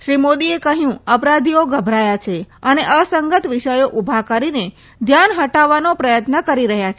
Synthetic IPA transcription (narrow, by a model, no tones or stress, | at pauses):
ʃɾimod̪iekəɦjũəpɾad̪ʱioɡʱəbʱɾajat͡ʃʰeəneʔəsəŋɡət̪ʋiʃəjoʔubʱakəɾine | d̪ʱjanɦəʈaʋanopɾəjət̪nəkəɾiɾəɦjat͡ʃʰe